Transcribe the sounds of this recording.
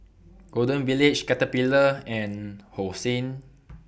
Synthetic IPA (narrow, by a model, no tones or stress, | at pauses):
ɡ̥odə̃nvilit͡ʃkatəpiləɛ̃nhosĩn